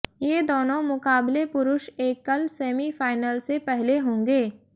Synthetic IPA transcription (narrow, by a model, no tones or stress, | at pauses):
jeːd̪oːnõmʊkaːblepʊɾʊʃeːkːɐlseːmifaːɪnəlsepɛɦleɦõːŋɡeː